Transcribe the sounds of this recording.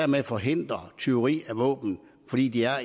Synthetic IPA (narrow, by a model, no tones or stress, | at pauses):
ɐmefɒ̽ɦe̝n̰d̥ʁɐt͡sʰe̝o̝ʁḭːæʋɔ̰̽ːb̥n̩ | fɒ̽d̥ḭːd̥iæɐ